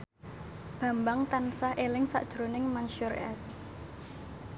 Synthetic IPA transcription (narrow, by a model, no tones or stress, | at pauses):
b̥ä̤mbaŋt̪ansahelɪŋsa̰ʔd̥ʒ̥ɾonɪŋmanʃurɛ̰s